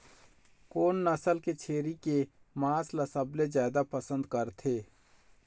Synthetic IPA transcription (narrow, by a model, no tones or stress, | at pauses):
koːnːɐsəlket͡ʃʰeːɾike | maːslɐsəblezjaːd̪apəsə̃nd̪kɐɾt̪ʰeː